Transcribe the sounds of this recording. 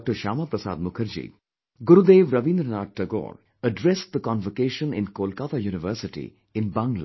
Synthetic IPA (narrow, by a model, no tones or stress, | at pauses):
k̚ʈəɾʃaːmapɾɐsa̰ːd̪̚mʊkʰəɾd͡ʒḭː | ɡʊɾud̪eːʋɾɐʋĩnd̪ɾənaːʈ̚ʈɐɡo̰ːɾ | əɖɾɛsʈ̚d̪əkɔ̃nʋəkeːʃə̃nɪ̰̃nkoːlkat̪ʰaːjuːnɪʋəːɾsɪʈḭ | ɪ̃nbãŋɡla̰